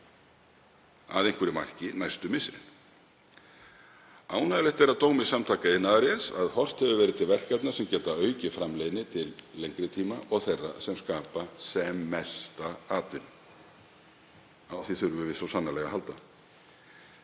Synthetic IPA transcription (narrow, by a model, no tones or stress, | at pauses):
a̰ðejŋ̥kvʏɾɪma̰r̥cɪnajst̪ʏmɪsːɪɾɪ̰n | aːwnaðlɛht̪ɛɾaðt̪oːwmɪsamt̪ʰaːkaɪnːaaɾjɛnsa̰ðhɔr̥t̪hɛvɪvɛːɾɪðt̪ʰɪlvɛr̥kat̪nasɛmcɛːt̪aœːɥcɪfɾamleːjnɪt̪ʰɪlːejŋkɾɪt̪ʰiːmaʔɔɣθejrːasɛmskaːpasɛmːɛst̪aaːt̪ʏɾ | awθiθʏɾʏvʏvɪðsɔsanːalɛɣaɦalt̪a